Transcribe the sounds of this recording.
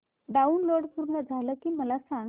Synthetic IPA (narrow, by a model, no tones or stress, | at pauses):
ɖaunloɽpuɾnəd͡zʱaləːkiːməlasã